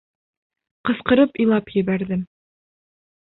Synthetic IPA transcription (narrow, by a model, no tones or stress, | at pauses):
qɤ̆sqɤ̆ɾɤpijlˠɑpjɘ̆βæɾðɘm